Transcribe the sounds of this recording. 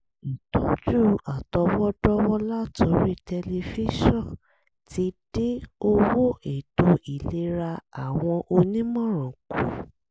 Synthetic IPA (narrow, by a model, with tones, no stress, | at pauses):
i˨tɔ˨˦d͡ʒu˦˨a˨tɔ˧wɔ˦dɔ˦wɔ˦la˦tʰo˧ɾi˦tɛ˧le˧fi˦ʃɔ̃˦˨ | ti˧˦d̥e˦o˦wo˦e˨to˧i˨le˦ɾa˧a˨w̃ɔ̃˧ʔo˧nĩ˦mɔ̃˦˨ɾ̃ɔ̃˨ku˨˦